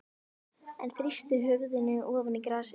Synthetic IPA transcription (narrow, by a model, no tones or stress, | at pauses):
ɛ̰nθɾist̪ʏɦʏɣðɪnʏʔɔːvʏnikɾas